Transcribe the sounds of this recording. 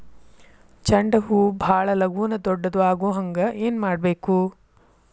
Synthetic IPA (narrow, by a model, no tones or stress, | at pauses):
t͡ʃɐɳɖɐɦubʱaːɭɐlɐɡuʋnɐd̪ɔɖːɐd̪uʋaːɡoːɦɐŋɡɐʔeːnmaːɖbeːku